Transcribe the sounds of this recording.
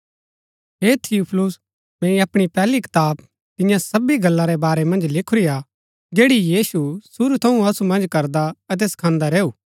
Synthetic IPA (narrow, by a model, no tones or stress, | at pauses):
ɦet̪ʰɪupʰlʊs | mɛ̃iɐpɽ̃ipɛːlikɪ̥t̪aːb̚ | t̪ɪ̃jãsɐbiɡɐlːaɾɛbaːɾɛmɐ̃nd͡ʒlɪkʰʊɾija | d͡ʒeːɽijiːsusuɾut̪ʰɐũɐsumɐ̃nd͡ʒkɐɾd̪aɐt̪̬esɐ̥kʰãːnd̪aɾeːuː